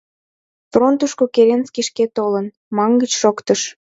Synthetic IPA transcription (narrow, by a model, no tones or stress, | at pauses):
front̪uʃkokeɾenskiʃket̪olən | mɑŋɡət͡ɕʃokt̪əʃ